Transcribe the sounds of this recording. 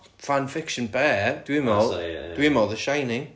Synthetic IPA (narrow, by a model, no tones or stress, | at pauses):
fanfɪkʃənbɛːd̥wɪmɔd̥wiɪmɔðəʃajnɪŋ